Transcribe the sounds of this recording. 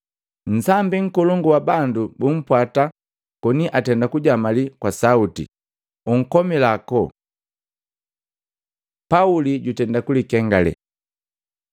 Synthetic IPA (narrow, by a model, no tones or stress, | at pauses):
n̩sambiŋ̩kɔlɔŋɡuwabandubum̩pwata | kɔniʔatɛndakuɟamalikwasautḭ | uŋ̩kɔmilakɔ | pauliɟutɛndakulikɛŋɡalɛ̰